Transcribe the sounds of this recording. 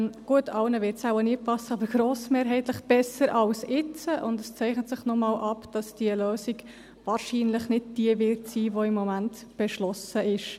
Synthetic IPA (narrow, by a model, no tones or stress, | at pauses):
ɡ̥uətʰɑlnəʋɪɾtsawənipʰɑsːəɑbəɾɡ̥ɾoːsmeːɾɦɛɪtləχb̥ɛsəɾʔɑlsɪt͡səʔʊndɛst͡sɛɪχnət̪sɪχnɔmɑːlʔɑpd̥ɑsd̥iəløːsiɡ | vɑːɾʃiːnləχnɪd̚d̥iəvɪtsiːʋoɪmːɔmæntb̥ɛʃlɔsəʔɪʃ